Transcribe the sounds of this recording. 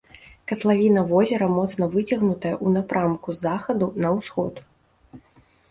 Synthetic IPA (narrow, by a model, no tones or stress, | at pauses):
kɐt̪lˠavʲinɐvɔzʲɛɾɐmɔt̪snɐvɨt͡sʲɐɣnut̪ɐjɐʔunapɾʔamkuzaxɐd̪unɐwsxɔt̪